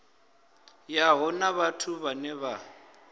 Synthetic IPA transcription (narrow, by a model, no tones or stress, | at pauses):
jaɦʊnaβatʰuβanɛβa